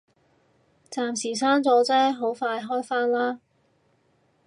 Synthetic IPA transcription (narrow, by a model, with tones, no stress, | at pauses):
t͡saː˨˧msiː˨˩saː˥nt͡sɔː˨˥t͡sɛː˥ɦo˨˥wfaː˧jɦɔː˥jfaː˥nlaː˥